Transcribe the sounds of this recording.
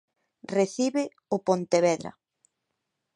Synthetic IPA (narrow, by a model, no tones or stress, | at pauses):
reθiβɪ | ʊpont̪eβɛðɾa̰